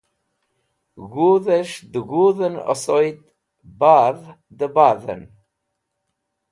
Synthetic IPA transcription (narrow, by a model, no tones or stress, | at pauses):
ɣuðəʃd̪əɣuːðənɔ̰sɔjt̪ | bað | d̪əbaðə̰n